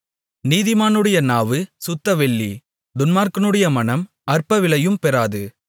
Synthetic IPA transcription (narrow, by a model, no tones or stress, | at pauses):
niːðɪmaːnɯɽɐjɐnaːʋɯsʊt̪ːɐʋɛɭːi | d̪ʊnmaːɾkɯnɯɽɐjɐmɐnɐm | ɐrpɐʋɪɭɐjɯmpɛɾaːðɯ